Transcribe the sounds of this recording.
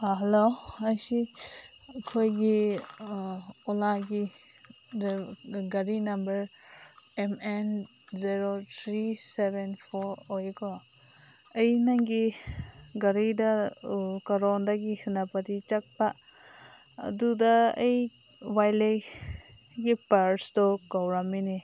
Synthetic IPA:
ɦeloajsi | kʰojɡi | ɔlaɡi | ɡɐɾinambɐɾ | emen | ziɾot̪ʰɾisebenpʰɔɾɔjkɔ | ejnaŋɡi | ɡɐɾida | kaɾɔndaɡisɯnapadit͡ʃak̚pa | ɐ̰dudɐej | wajle | ɡipaɾstɔkawɾamini

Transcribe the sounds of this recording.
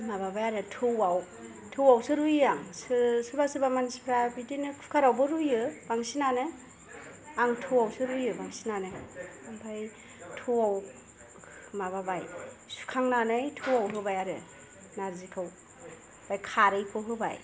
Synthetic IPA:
maβabajaɾɯtʰɯwaw | tʰɯwawsɯɾujaŋsɯsɯbasɯbamanspʰɾabidinɯkʰu̥kʰaɾawbɯɾujɯbaŋsinanɯ | aŋtʰɯwawsɯɾujɯbaŋsinanɯaŋpʰaj | tʰɯwaw | maβabajsu̥kʰaŋnanɯjtʰɯwawɦɯbajaɾɯ̰ | naɾzikʰɯw | b̥ajkʰaɾɯjpʰɯɦɯba̰j

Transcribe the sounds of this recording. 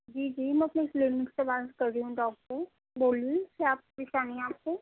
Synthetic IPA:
d͡ʒiːd͡ʒiːmɛ̃ɐpneɪklɪnmɪkspebaːɾskɐɾd̪iɦũɖɔːkʈko | boːlĩkiaːp̚ɾɪʃaːniaːp̚ko

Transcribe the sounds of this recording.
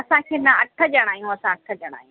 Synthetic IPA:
ɐsãkʰeːnɐɐʈʰːəd͡ʑɐɽ̃aːjũɐsãɐʈʰəd͡ʑɐɽ̃a̰ːjũ

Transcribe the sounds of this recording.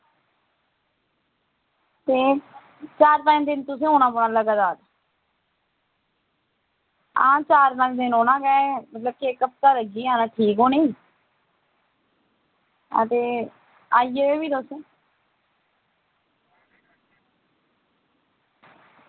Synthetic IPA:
t̪eː | t͡ʃaːɾpɛ̃ːd̪ɪnt̪ʊsẽːɦoːnãːpʊɳaːləɡad̪aːɾ | ã̰ːt͡ʃaːɾnãːd̪ɪnɦoːnãːɡɛːmət̪ləb̚kiekːəp̚t̪aːləɡiːaːnaːʈʰiːkɦoːniː | ə̰t̪eː | aːiːeebiːt̪ʊsẽː

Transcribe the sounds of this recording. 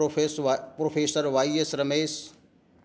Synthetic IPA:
pɾoːfʰeːsəɾʋaːiesɾɐmeːs

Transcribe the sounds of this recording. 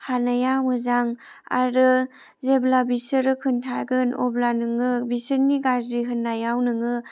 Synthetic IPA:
hanajamɯzaŋa̰ɾɯ | zeblabisɯɾɯkʰɯntʰaɡɯnɔblanɯŋɯbisɯnːiɡazɾiɦɯnːajawnɯŋɯ

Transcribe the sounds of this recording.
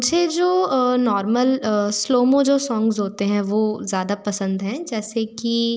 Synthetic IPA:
d͡ʒʱed͡ʒoːnɔːɾməlsloːmõd͡ʒoːsɔ̃ːŋɡzɦoːt̪eɦɛ̃ʋozjaːd̪apɐsə̃nd̪ɦɛ̃d͡ʒɛːseki

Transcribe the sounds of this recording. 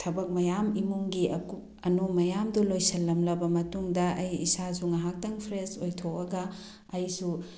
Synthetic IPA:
tʰɐbɐk̚mɐjamimuŋɡiʔɐku | ɐnumɐjamdulojsɐlːɐmlɐbɐmɐtuŋdɐɐjisazuŋɐɦak̚tɐŋpʰɾesojtʰokɐɡɐː | jsu

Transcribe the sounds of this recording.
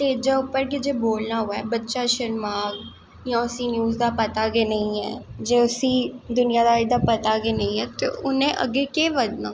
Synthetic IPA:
t̪eːd͡ʒaːʊpːəɾk̬ɪd͡ʒeːboːlnaːɦoaɛːbətːʃaːʃəɾmaːɡ | jãːʊsĩnjuːzd̪aːpət̪aːɡeːnəĩɛ̰ːd͡ʒeːʊsĩːd̪ʊnɪjaːd̪aːɪd̪aːpət̪aːɡeːnəĩɦɛːt̪ḛʔʊnẽːʔə̰ɡeːkeːʋəd̪naː

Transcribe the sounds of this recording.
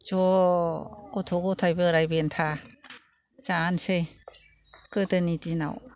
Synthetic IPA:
d͡ʒɔ | kɔtʰɔɡɔtʰajbɯɾajbentʰa | saːnsej | kɯtɯnitina̰w

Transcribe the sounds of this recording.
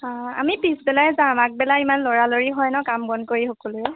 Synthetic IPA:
ãa̰mipisbɛlaɹɛzaamak̚bɛlaimanlɔɹaloɹiɦɔjnɔkambɔnkoɹixɔkɔlʊjɛ

